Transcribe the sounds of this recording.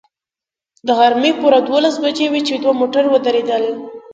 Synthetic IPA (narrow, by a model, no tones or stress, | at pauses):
d̪əɣaɾmepuɾad̪wolasbad͡ʒewet͡ʃed̪wamoʈaɾwəd̪aɾed̪əl